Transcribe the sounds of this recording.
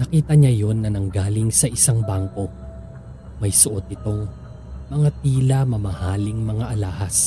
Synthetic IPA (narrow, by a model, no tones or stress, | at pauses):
nɐkiːt̪ɐɲajo̞nːɐnɐŋɡaːlɪŋsɐʔɪsaŋbaŋko̞ | mɐjsʊʔo̞t̪̚ɪt̪o̞ŋ | mɐŋat̪iːlɐmɐmɐhaːlɪŋmɐŋaʔɐlaːhɐs